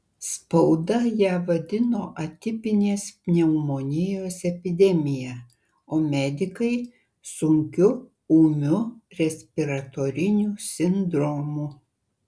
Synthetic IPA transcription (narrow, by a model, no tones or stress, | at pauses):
spɐʊd̪ɐjæːʋɐd̪ʲɪnoːʔɐt̪ʲɪpʲɪnʲeːspʲnʲɛmoːnʲɪjoːsɛpʲɪd̪ʲɛmʲɪjæ | oːmʲæd̪ʲɪkɐɪ | sʊŋʲkʲʊ | uːmʲʊɾʲɛsʲpʲɪɾɐt̪oːɾʲɪnʲuːsʲɪnd̪ɾoːmu